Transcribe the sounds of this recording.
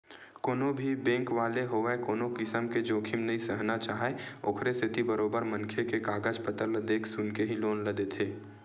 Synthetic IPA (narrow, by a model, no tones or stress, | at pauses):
koːnobʱibẽːŋkʋaːleɦoːʋeekoːnokɪsəmked͡ʒoːkʰɪmnɐisəɦnat͡ʃaːɦeo̰ːkʰɾeset̪ʰibəɾoːbəɾmə̃nkʰekekaːɡəd͡ʒpət̪əɾləd̪eːkʰsʊnkeɦiloːnləd̪et̪ʰeː